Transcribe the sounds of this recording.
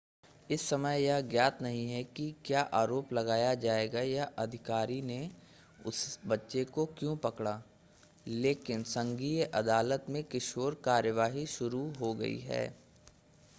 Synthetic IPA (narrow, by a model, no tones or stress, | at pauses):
ɪsːɐməjjaɡjaːt̪nɐɦĩɦɛkikjaːʔaːɾoːplɐɡaːjad͡ʒaːeːɡajaʔɐd̪ʱɪkaːɾine | ʊ̰sbɐtːʃekokjõːpɐkɽaː | leːkɪnsɐ̃ŋɡiːʔɐd̪aːlət̪mẽkɪʃoːɾkaːɾjəʋaːɦiʃʊɾuɦoɡɐ̰ḭɦɛ̰ː